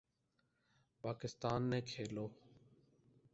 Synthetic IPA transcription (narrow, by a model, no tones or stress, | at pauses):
paːkɪst̪aːnːẽːkʰeːloː